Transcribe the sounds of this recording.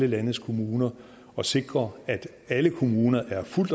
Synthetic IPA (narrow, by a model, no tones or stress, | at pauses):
ləlænəð̩skʰo̝muːnɐ | ɒ̽se̝ɡ̥ʁɐæd̥ | æləkʰo̝muːnɐʔæɐful̰d̥